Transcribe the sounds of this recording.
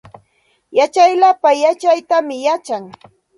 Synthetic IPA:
jat͡ʃajlapajat͡ʃajt̪amɪjat͡ʃaŋ

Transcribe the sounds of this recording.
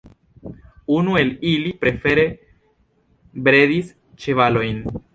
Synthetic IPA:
unue̞lilipɾe̞fe̞ɾe̞ | bɾe̞dis | t͡ʃe̞valo̞jn

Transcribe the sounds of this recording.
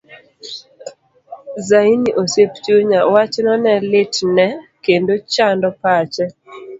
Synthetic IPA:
zainiʔosept͡ʃuɲawat͡ʃnɔnɛlɪtnɛkendot͡ʃandɔpat͡ʃɛ

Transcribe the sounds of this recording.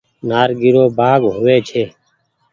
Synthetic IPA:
naːɾɡiɾoːbaːɡɦʊʋeːt͡ʃʰeː

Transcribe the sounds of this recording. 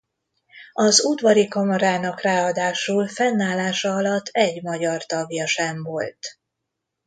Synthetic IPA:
ɒzud̪vɒɾikɒmɒɾaːnɒkraːɒd̪aːʃulfɛnːaːlːaːʃɒɒlɒt̪ʰːɛɟmɒɟɒrt̪ɒɡjɒʃɛɱvo̞lt̪

